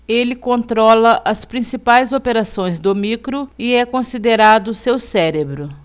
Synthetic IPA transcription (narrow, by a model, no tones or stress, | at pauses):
elɪkõnt̪ɾɔlɐʔɐspɾĩsipajzopeɾasõj̃zd̪omikɾʊɪɛkõsid̪eɾad̪ʊsewsɛɾebɾʊ